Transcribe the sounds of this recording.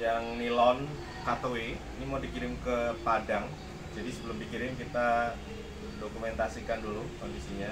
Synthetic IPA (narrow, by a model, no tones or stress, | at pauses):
jaŋnilɔn | hat̪oweinimadikiɾɪmkəpadaŋ | d͡ʒadisəbəlʊmbikiɾɪŋkit̪a | dokumɛnt̪asikandulukondisiɲa